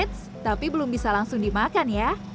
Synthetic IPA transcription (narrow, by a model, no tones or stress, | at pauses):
ɪt̪̚s | t̪apibəlʊmbisalaŋsʊŋdimakanja